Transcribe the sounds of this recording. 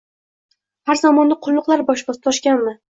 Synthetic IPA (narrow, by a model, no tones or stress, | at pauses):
haɾzɒmɒnd̪aqʰʊlˠːʊqlˠaɾbɒʃbɒsɪ̥t̪ʰɒʃkʲanmɪ